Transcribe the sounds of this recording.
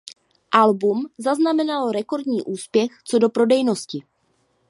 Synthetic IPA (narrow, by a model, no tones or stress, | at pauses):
ʔalbumzaznamɛnaloɾɛko̞ɾdɲiːʔuːspjɛxt͡so̞do̞pɾo̞dɛjno̞scɪ